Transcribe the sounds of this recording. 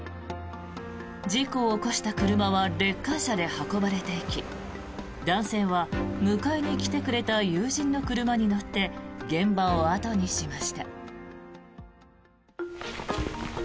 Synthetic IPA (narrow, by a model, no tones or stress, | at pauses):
d͡ʑiko̞ːko̞ɕi̥t̪akɯ̟ɾɯ̟maβaɾe̞kːãɰ̃ɕad̪e̞hako̞baɾe̞t̪e̞ikʲi | d̪ãɰ̃se̞ːβamɯ̟kaiɲ̟ikʲi̥t̪e̞kɯ̟ɾe̞t̪ajɯːʑĩnːo̞kɯ̟ɾɯ̟maɲ̟ino̞t̪ːe̞ɡẽ̞mbaoat̪o̞ɲ̟iɕimaɕi̥t̪a